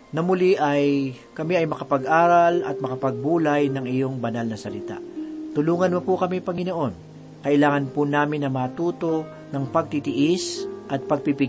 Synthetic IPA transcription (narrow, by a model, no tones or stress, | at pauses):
nɐmʊliʔɐj | kɐmiɐjmɐkɐpɐɡʔaːɾɐlɐ̰t̪̚mɐkɐpɐɡ̚buːlɐjnɐŋɪjo̞ŋbɐnalnɐsɐlɪt̪a̰ʔt̪ʊluːŋɐnmɐpukɐmipɐŋɪno̞ʔo̞n | kɐʔɪlaːŋɐnpʊnaːmɪnːɐmɐt̪uːt̪o̞ | nɐŋpɐɡ̚t̪it̪ɪʔɪsʔɐt̪̚pɐɡ̚pipɪ